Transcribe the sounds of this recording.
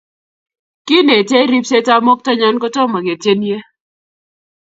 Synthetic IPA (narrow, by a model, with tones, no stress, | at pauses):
ki˦ne˨te˦ɾi˦pse˦ta˦mɔ˦k̚ta˦ɲa˦nkɔ˦tɔ˦ma˨ɡe˨tje˦nje˦